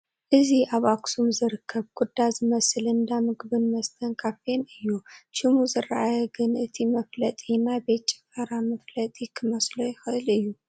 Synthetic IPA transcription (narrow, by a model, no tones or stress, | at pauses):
ʔɨziʔaβaksumzɨɾɨkʰːəβkʰʷʼʊd̪ːaziməsɨlɨnd̪amɨɡɨβɨnməst̪ʰəŋkʰafenɨjːuʃɪmuzɨraʔajɡɨnʔɨt̪ʰiməflət̪ʼjɪnːabet͡ʃʼːɪ̥fəɾaməflət̪ʼjɪkʰːɨməslojɪxɨʔɨlɨjːu